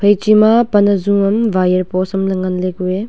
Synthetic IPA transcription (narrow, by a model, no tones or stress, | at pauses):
pʰɐjt͡ʃimapɐnɐzumɐmvajɐɾpɔsɐmlɐŋɐnleɡue